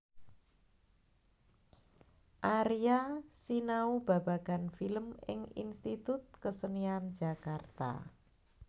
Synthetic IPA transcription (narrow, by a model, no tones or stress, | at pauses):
ʔaɾiasinaub̥a̤ba̤ɡ̥anfiləmɪ̰ŋḭnst̪it̪ʊt̪̚kəsəniand͡ʒakart̪a̰